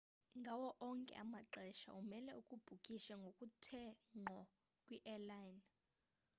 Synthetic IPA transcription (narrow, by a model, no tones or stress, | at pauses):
ŋɡʱawɔʔɔŋkʼɛ̰ʔamaǁɛʃa̰umɛlɛukʼub̥ʱukʼiʃaŋɡʱokʼutʰɛŋ͡ǃʱɔ | kʼwiʔɛlajn